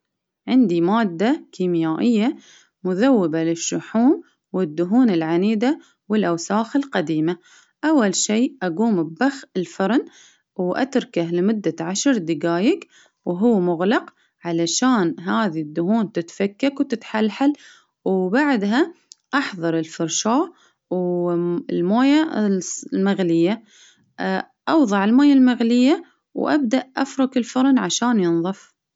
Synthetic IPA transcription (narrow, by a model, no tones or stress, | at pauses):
ʕɪnd̪imaːd̪ːakiːmjaːʔɪjːa | mʊðawːɪbalɪʃːʊħuːm | wɪd̪ːʊɦuːnɪlʕaniːd̪a | wɪlʔawsaːxɪlqad̪iːma | ʔawːalʃiːʔaɡuːmbbaxɪlfɑɾˤn | wʔa̰t̪ɾkahlɪmʊd̪ːaʕaʃɾˤd̪ɪɡaːjɪk | wɦʊːmʊɣlɑq | ʕalaʃaːnɦaːðid̪ːʊhuːnt̪ɪt̪fakːakwt̪ɪt̪ħalħal | wbaʕd̪ɦaʔɑħðˤɑɾˤɪlfɑɾˤʃaːʔ | w | lmoːja | lmaɣlɪjːa | ʔɑwðˤɑʕɪlmoːjalmaɣlɪjːa | wʔa̰b̚d̪aʔʔafɾˤʊkɪlfʊɾˤnʕaʃaːnjɨnðˤɨf